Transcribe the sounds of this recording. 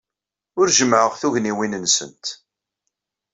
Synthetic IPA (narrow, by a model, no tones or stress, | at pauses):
ʊɾʒəmʕəʁθuʝniwinənsə̰nt̪